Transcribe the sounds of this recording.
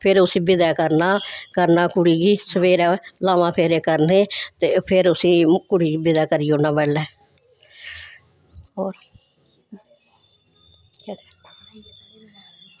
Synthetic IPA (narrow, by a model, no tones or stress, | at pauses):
pʰɪɾʊsĩːbɪd̪ɛːkəɾnaːkəɾnaːkʊɽiːɡiːsəʋeːɾɛːlaːmãːpʰeːɾeːkəɾneːt̪eːpʰɪɾʊsĩːkʊɽiːɡiːbɪd̪ɛːkəɾiːoːnaːbɛːlːɛː | ɦoːɾ